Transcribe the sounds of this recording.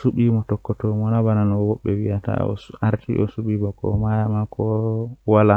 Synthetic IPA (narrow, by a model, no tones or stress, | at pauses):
suɓimɔtɔkːɔtɔmɔnabananɔwɔɓːɛwijata̰ɔ̰aɾtʰḭʔɔsuɓimɔkɔ̰majamakʰɔwala